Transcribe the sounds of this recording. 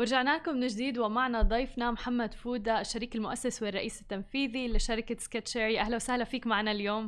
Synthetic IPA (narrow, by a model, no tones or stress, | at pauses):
wɪɾʒaʕnaːkʊmnɪd͡ʒd̪iːd̪wɪmaʕnad̪ˤɑjfnamħamːad̪fuːd̪aʃːaɾiːkalmʊʔasːaswɪrˤːɑʔiːsɪ̥t̪ːanfiːðilɪʃɑɾɪkaskaʃaːɾiʔahlawsahlafiːkmaʕnaljoːmm